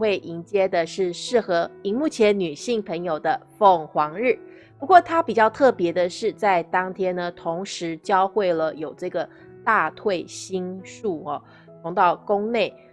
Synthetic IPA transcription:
xwe˥˩ɪʔi˧˥ŋt͡ɕjɛ˥d̪ə˨ʂɻ̩˥˧ʂɻ̩˥˩xɤ˧˥i˧˥ŋmu˥˩t͡ɕʰjɛ˧˥nny˨˩ɕi˥˩ŋpʰə˧˥ŋjo˨˩ʊd̪ə˦fɤ˥˩ŋxwɑ˧˥ŋɻ̩˥˩ | pu˧˥kwɔ˥˩t̪ʰa˥pi˨˩t͡ɕjɑ˥˧ʊt̪ʰɤ˥˩pjɛ˧˥d̪ə˧ʂɻ̩˥˧t͡sa˥˩ɪt̪ɑ˥ŋt̪ʰjɛ˥nə˨t̪ʰo˧˥ŋʂɻ̩˧˥t͡ɕjɑ˥ʊxwe˥˩ɪlə˩jo˨˩ʊʈ͡ʂɤ˥˩ɡə˩ | t̪a˥˧t̪ʰwe˥˩ɪɕi˥nʂu˥˩ɐ˩ | t̪ʰʊ˧˥ŋt̪ɑ˥˩ʊkʊ˥ŋne˥˩ɪ

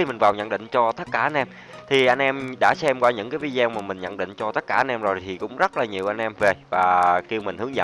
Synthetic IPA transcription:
i˧mi˨˩ŋ̟vaː˨˩wɲə̰˧˥nɗḭ˧˨ŋ̟t͡ɕɔ˧t̪ə˦˥t̚kaː˧˩ʔa˧n̟ʔɛ˧m | t̪ʰi˨˩ʔa˧jŋ̟ʔɛ˧mɗa̰ː˧˥sɛ˧mkɔː˨˦ɲɨ̰˧˥ŋkaː˨˦jvi˨˧˦zaː˧wmaː˨˩mï˨˩ŋ̟ɲə̰˧˨nɗḭ˧˨ŋ̟t͡ɕɔ˧t̪ə˦˥t̚kaː˧˩ʔa˧nʔɛ˧mzo˨˩jt̪ʰi˨˩kʊ̰˧˥ŋ͡mzə˦˥t̚laː˨˩ɲi˨˩əwʔa˧jŋ̟ʔɛ˧mve˨˩vaː˨˩ki˧əwmï̟˨˩hɨ˨˦əŋzə̰˧

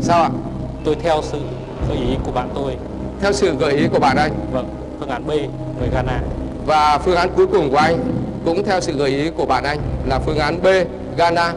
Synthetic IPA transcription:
saː˧wʔa̰ː˧˨ | t̪o˧jt̪ʰɛ˧wsɨ̰˧˨ | ɣəː˨˩˦jʔi˨˦ku˧˩əɓa̰ː˧˨nt̪o˧j | t̪ʰɛ˧wsɨ̰˧˨ɣəː˧˨˩jʔi˨˦ku˧˩ə˩ɓa̰ː˧˨nʔa˧jŋ̟və˧˩ | fɨ˧əŋʔaː˨˦nɓe˧ | ŋə˨˩jɣaː˧naː˧ | vaː˨˩fɨ˧əŋʔaː˨˦nku˨˦jkʊ˨˩əŋ͡mku˧˩ʔa˧jŋ̟kʊ̰˧˥ŋ͡mt̪ʰɛ˧wsɨ̰˧˨ɣəː˧˩jʔi˨˦ku˧˩ə˩ɓa̰ː˧˨nʔa˧jŋ̟laː˨˩fɨ˧əŋʔaː˨˦nɓe˧ | ɣaː˧naː˧

